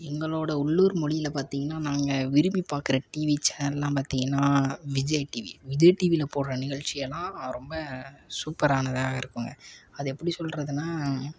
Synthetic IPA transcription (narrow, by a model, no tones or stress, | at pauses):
ɛŋɡɐɭoːɽɐʊɭːuːɾmɔɽɪjɪlɐpaːɾt̪iːŋɡɐnːaːnaːŋɡɐʋɪɾɯmipaːɾkɪɾɐʈiːʋit͡ʃɛnːɐllːãːpaːɾt̪iːŋɡɐnːaːʋɪd͡ʒɐjʈiʋḭʋɪd͡ʒɐjʈiːʋilɐpoːɽrɐnɪɣɐɭt͡ʃɪjɛlːãːɾɔmbɐsuːpːɐɾaːnɐðɯaːɣɐɪɾɯkːɯŋɡɐɐðɯɛpːɐɽisɔlːɾɐðɯnaː